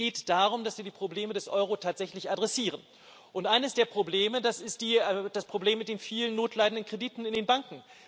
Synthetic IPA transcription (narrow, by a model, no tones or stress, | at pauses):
ɡ̥eːtd̥aːʁ̞ʊmdasv̥iːɐdiːpʁ̥obleːmədɛsʔɔʏʁotʰaːtz̥ɛçlɪçadʁɛsiːʁ̞ən | ʔʊntʔaɪnəsd̥eːɐpʁ̥obleːmədasɪstd̥iːd̥aspʁ̥obleːmːɪt̚d̥eːnfiːlənːoːtʰlaɪdn̩dən̩kʁ̥ediːtn̩ɪndeːnbaŋkŋ̩